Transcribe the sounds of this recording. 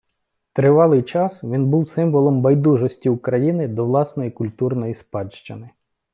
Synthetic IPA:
t̪ɾɪʋɑlˠɪjt͡ʃɑsʋʲinbuwsɪmʋɔlˠɔmbɐjd̪uʒɔsʲtʲiʊkɾɐjinɪd̪ɔʋlˠɑsnɔjikʊlʲt̪urnɔjispɑdʃt͡ʃɪnɪ

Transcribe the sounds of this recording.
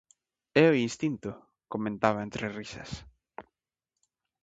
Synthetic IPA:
eoinst̪int̪ʊ | komẽnt̪aβaent̪ɾerisɐ̰s

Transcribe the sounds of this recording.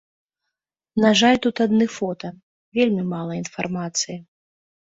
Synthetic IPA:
naʐalʲt̪ut̪ad̪nɨfɔt̪ɐ | vʲelʲmʲimalˠɐinfarmat̪sɨji

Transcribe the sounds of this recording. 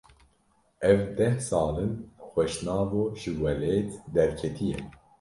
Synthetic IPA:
ʔɛvd̪ɛhsɑːlɨnxʷɛʃnɑːvoːʒɨwɛleːt̪d̪ɛɾkʰɛt̪ʰijɛ̰

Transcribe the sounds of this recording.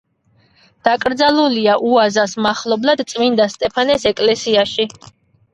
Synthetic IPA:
d̪̥akʼɾd̪zalˠuliaʔuazasmaχlˠɔblˠad̪t̪sʼmind̪ast̪ʼɛpʰanɛsɛkʼlɛsiaʃi

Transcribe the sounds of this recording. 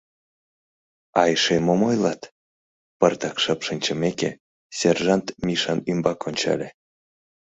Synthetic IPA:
ɑjʃemomojlɑt̪ | pərt̪ɑkʃɤpʃinʲt͡ɕəmeke | serʒɑnt̪mʲiʃɑnymbɑkʰonʲt͡ɕɑ̰lʲe

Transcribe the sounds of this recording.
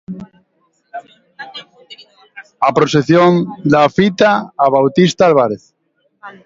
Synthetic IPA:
apɾoseθjond̪afit̪aːβawt̪ist̪aalβ̞aɾeθ

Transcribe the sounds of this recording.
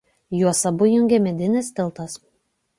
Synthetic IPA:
juɔsɐbʊjʊŋʲɡʲɛmʲɛd̪ʲɪnʲɪst̪ʲɪlˠt̪ɐs

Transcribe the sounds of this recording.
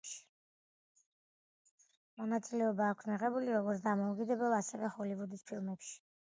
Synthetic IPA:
ʃi̥ | mɔnat̪sʼilɛɔbaːkʷʰsmiʁɛbuliɾɔɡɔɾt̪ʰd̪amɔukʼid̪ɛbɛlˠasɛvɛχɔlivud̪ispʰilˠmɛpʃi̥

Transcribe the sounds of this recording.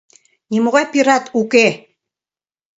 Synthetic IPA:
nimoɣɑjpiɾɑt̪uke

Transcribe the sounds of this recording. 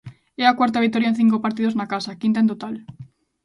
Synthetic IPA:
ɛakwaɾt̪aβik̚t̪oɾjaẽn̟θiŋkopaɾt̪iðoznakasakint̪aẽnt̪ot̪al

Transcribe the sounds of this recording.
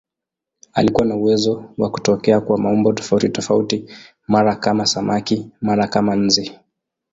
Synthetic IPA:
a̰likuwanauwɛzɔwaku̥tɔkɛakuwamaɔmbɔtɔ̥fautitɔfauti | maɾakamasamakimaɾakaman̩zi

